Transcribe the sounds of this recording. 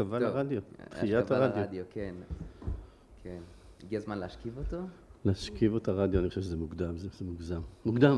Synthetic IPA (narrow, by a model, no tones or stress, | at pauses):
kavalaʁad̪jot̪χijataʁad̪jodoken | kʰeniɡiazmanleaʃkivot̪olehaʃkivotaʁad̪joaniχoʃeʃezemuɡd̪amzezemuɡzamːuɡd̪am